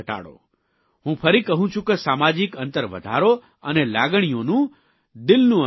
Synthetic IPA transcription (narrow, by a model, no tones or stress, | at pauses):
əʈa̰ɽo̰ | hũpʰəɾikəɦũt͡ʃʰũkesamad͡ʒikənt̪əɾʋə̰d̪ʱa̰ɾo | ənelaɡɽ̃ijonũ | d̪ɪlnũə